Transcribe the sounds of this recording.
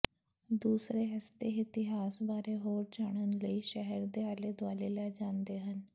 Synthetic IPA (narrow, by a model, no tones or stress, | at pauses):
d̪uːsɾeːɦəst̪eːɪt̪ɪɦaːsbaːɾeːɦoːɾd͡ʒaːɽ̃ənləiːʃəɦəɾd̪eːaːleːd̪waːleːlɛːd͡ʒãːnd̪eːɦən